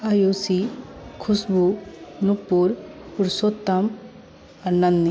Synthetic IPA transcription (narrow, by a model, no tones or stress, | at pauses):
ajoːsikʰʊsbunukpːuɾpuɾsot̪ːɐm | ɐɾnɐnd̪i